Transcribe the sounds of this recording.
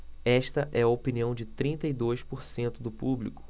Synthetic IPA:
ɛʃt̪ɐʔɛɐopiniɐ̃w̃d͡ʒɪt̪ɾĩnt̪ɐid̪ojspoɾsẽnt̪ʊd̪ʊpublikʊ̥

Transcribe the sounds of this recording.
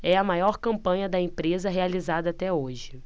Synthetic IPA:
ɛɐmajɔɾkɐ̃mpɐ̃ɲɐd̪ɐẽmpɾezɐɦealizad̪ɐat̪ɛoʒɪ

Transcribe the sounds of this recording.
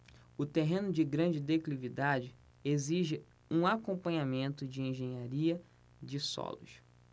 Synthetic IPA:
ʊt̪eɦẽnʊd͡ʒɪɡɾɐ̃d͡ʒɪd̪eklivid̪ad͡ʒɪ | eziʒɪ | ũakõmpɐ̃ɲamẽnt̪ʊd͡ʒɪẽʒẽɲaɾiɐ | d͡ʒɪsɔ̰lʊ̰ʃ

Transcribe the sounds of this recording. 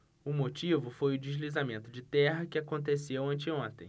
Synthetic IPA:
ʊmot͡ʃivʊfojʊd͡ʒiʒlizamẽnt̪ʊd͡ʒɪt̪ɛɦɐkɪakõnt̪esewɐ̃nt͡ʃɪõnt̪ẽj̃

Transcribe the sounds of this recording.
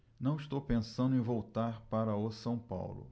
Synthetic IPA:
nɐ̃w̃ist̪owpẽsɐ̃nd̪ʊẽj̃vowt̪aɾpaɾɐʊsɐ̃w̃pa̰wlʊ̰

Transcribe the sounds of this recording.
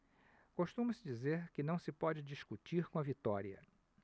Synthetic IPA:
koʃt̪ũmɐsɪd͡ʒizeɾkɪnɐ̃w̃sɪpɔd͡ʒɪd͡ʒiʃkut͡ʃiɾkõɐvit̪ɔɾiɐ̰

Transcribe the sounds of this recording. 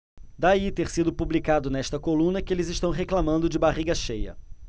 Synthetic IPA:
d̪ait̪eɾsid̪ʊpublikad̪ʊnɛʃt̪ɐkolũnɐkɪelɪzɪʃt̪ɐ̃w̃ɦeklamɐ̃nd̪ʊd͡ʒɪbaʁiɡɐʃejɐ̰

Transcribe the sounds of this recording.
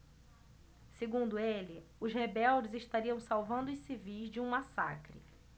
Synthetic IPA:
seɡũnd̪ʊelɪʊzhebɛwd͡ʒɪzɪʃt̪aɾiɐ̃w̃sawvɐ̃nd̪ʊʊsivijzd͡ʒɪũmasa̰kɾɪ̰

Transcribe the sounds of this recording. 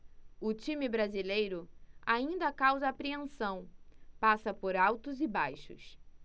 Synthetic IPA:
ʊt͡ʃĩmɪbɾazilejɾʊaĩnd̪ɐkawzɐːpɾiẽsɐ̃w̃pasɐpoɾawt̪ʊzɪbajʃʊ̰s

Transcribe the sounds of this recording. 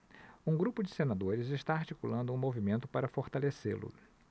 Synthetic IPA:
ũɡɾupʊd͡ʒɪsenad̪oɾɪzɪʃt̪aːɾt͡ʃikulɐ̃nd̪ʊũmovimẽnt̪ʊpaɾɐfoɾt̪alesḛlʊ̰

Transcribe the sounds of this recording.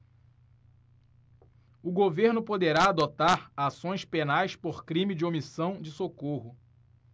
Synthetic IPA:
ʊɡoveɾnʊpod̪eɾaːd̪ot̪aɾasõj̃spenajspoɾkɾĩmid͡ʒɪomisɐ̃w̃d͡ʒɪsokohʊ

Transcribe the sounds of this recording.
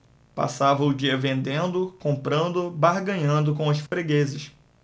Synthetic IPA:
pa̰savɐʊd͡ʒiɐvẽnd̪ẽnd̪ʊkõmpɾɐ̃nd̪ʊbaɾɡɐ̃ɲɐ̃nd̪ʊkõw̃ɐsfɾeɡezɪʃ

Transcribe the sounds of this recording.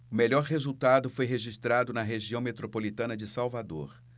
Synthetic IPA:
ʊmeʎɔɾɦezuwt̪ad̪ʊfojɦeʒist̪ɾad̪ʊnɐɦeʒiɐ̃w̃met̪ɾopolit̪ɐ̃nɐd͡ʒɪsawvad̪o̰ɾ

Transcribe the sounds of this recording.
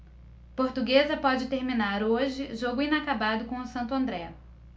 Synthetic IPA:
poɾt̪uɡezɐpɔd͡ʒɪt̪eɾmĩnaɾoʒɪʒoɡʊĩnakabad̪ʊkõʊsɐ̃nt̪ʊɐ̃nd̪ɾɛ

